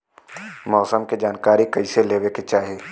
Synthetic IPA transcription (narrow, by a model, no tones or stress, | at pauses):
mɔːsəmked͡ʒaːnkaːɾikɐiseleːʋeket͡ʃaːɦieː